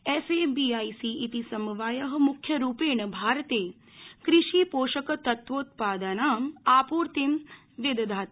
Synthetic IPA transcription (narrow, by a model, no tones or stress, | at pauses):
eːseːbiːaːisiːt̪isɐmʋaːjɐɦɐ̆mukʰjɐɾuːpeːɳɐbʱaːɾt̪eː | kɾɪʃiːpoːʃəkɐt̪ɐt̪ʋoːt̪paːd̪aːnaːmaːpuːɾt̪em | ʋed̪d̪ʱaːt̪